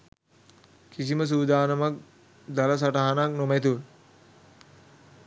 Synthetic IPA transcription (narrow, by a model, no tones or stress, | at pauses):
kisiməs̬uːd̪aːnəmak̚ | d̪aləs̬aʈaɦanak̚nomæt̪̬uʋ